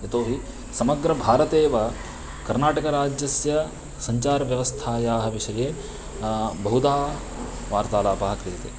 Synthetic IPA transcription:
et̪oːɦi | sɐmɐɡɾɐbʱaːɾɐt̪eːʋɐ | kɐɾnaːʈɐkɐɾaːd͡ʒjɐsjɐ | sɐɲt͡ʃaːɾɐʋjɐʋɐst̪ʰaːjaːɦɐʋiʂɐjeː | bɐɦud̪aː | ʋaːɾt̪aːlaːpɐɦɐkɾiːt̪ḛː

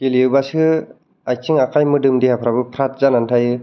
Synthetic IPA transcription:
kiliɯbasɯ | aj̚sʰiŋakʰajmɯdɯmdihapʰɾabɯpʰɾat̚zanantʰajɯ

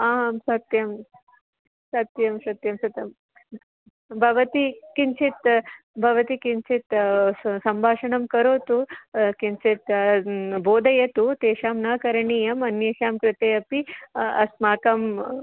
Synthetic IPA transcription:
aːmsɐt̪jɐm | sɐt̪jɐmsɐt̪jɐmsɐt̪jɐm | bʱɐʋɐt̪ikiɲt͡ʃʰit̪ | bʱɐʋɐt̪ikiɲt͡ʃʰit̪sɐmbʱaːʂɐɳɐmkɐɾoːt̪ukiɲt͡ʃit̪ | boːd̪ɐjɐt̪ut̪eːʃaːmnaːkɐɾɐɳiːjɐmɐnjeːʃaːmkɾɪt̪ɐjɐpiɐ̰smaːkɐm

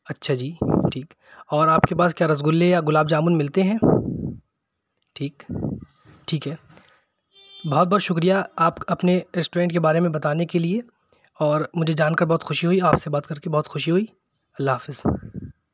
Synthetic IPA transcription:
ɐtːʃʰad͡ʒiːʈʰiːk | ɔːɾaːpkepaːskjaːɾɐzɡʊlːejaɡʊlaːb̚d͡ʒaːmʊnmɪlt̪eɦɛ̃ː | ʈʰiːk | ʈʰiːkɦɛː | bɔɦt̪̚bɔːt̪ʃʊkɾijaaːpɐpneɾɛsʈoɾɛ̃ːɳʈkebaːɾemẽbɐt̪aːnekelie | ɔːɾmʊd͡ʒʱed͡ʒaːnkɐɾbɔɦːt̪xʊʃiɦoiaːpsebaːt̪kɐɾkebɔɦːt̪xʊʃiɦoi | ɐlːaɦafɪz̥

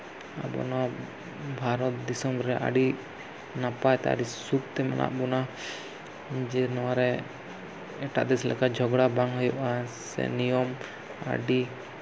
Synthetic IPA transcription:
a̰bɔ̰na | bʱaɾɔt̪̚d̪isɔmɾɾɛʔa̰ɖi | napajt̪ɛ̰a̰ɖisut̪̚t̪ɛma̰nʔa̰ʔbuna | d͡ʒɛnɔwaɾɛ | ɛʈa̰ʔd̪ɛslɛ̰kad͡ʒʱɔɡɽabaŋɦɔjɔʔasɛ̰nijɔm | a̰ɖi

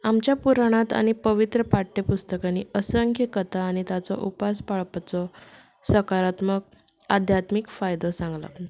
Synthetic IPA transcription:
amt͡ɕjapuɾaɽ̃at̪a̰ɽ̃ipəʋit̪ɾəpaʈːepust̪əkanːiəsəəŋkʰjəkət̪ʰaːɽ̃it̪at͡sɔ̰ʔupaspaɭpat͡sɔ | səkaɾat̪mək̚ | ad̪ʱjat̪mikfajd̪ɔsãŋɡla̰

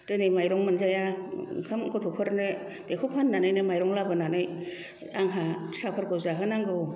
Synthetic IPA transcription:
tɯnɯjmajɾɔŋmanzajakʰɯmkʰɔtʰɔpʰɯɾnɯ | dekʰupʰhanːanajnɯmajɾɔŋlabɯnanɯj | aŋɦasapʰɯɾkɯzaɦɯnaŋɡɯw

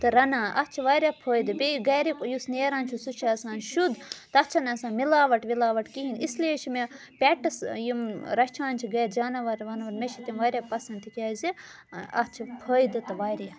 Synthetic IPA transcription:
t̪ɨɾɐnaːʔɐt͡ʃʰiʋaːɾʲjaːpʰəːjd̪ɨbiɡɐːɾikujusneːɾaːnʲt͡ʃʰusut͡ʃʰaɐsãːnʃud̪t̪ɐt͡ʃʰɐnɐsãːnmilaːʋɐʈʋilaːʋɐʈkiɦinislet͡ʃʰime | pʲɛʈɐsjimɾɐt͡ʃʰaːnt͡ʃʰiɡɐjt̪d͡ʒaːnaʋɐɾʋɐnʋɐɾmeʃʰit̪imʋaːɾjaːpɐsɐnt̪ikʲaːzi | ɐt͡ʃʰipʰəːjd̪ɨt̪ɨʋaːɾja

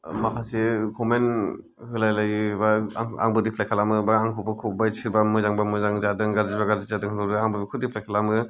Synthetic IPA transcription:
makʰasikʰɔmen | hɯlajlajɯbaŋa̰ŋbɯdipʰlajkʰalamɯbaaŋkʰubɯkʰubajsʰiɾbamɯzaŋbamɯzaŋzadɯŋɡaɾzibaɡaɾzizadɯŋhnɔɾɯaŋbɯbikʰudipʰlajkʰalamɯ

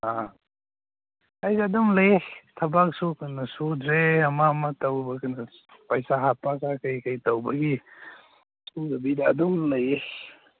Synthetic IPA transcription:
a | ajzeɐdumlajetʰɐbak̚sukanɐsudɾeɐmamɐtɐwbɐkanɐ | pɐjsaɦapakakajkajtawbɐɡi | suzɐbidaːduŋlɐje

